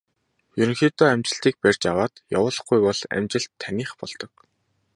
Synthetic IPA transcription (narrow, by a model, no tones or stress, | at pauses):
juŋxit̪ɔæmt͡ɕɪ̆ɬt̪iːk̚pærʲt͡ɕjawaːt̪ja̰wʊːɮɞ̆χɡujpɔɮæ̰mt͡ɕɪ̆ɬt̪ʰːænʲiːχpɔ̰ɮt̪ɞ̆k̚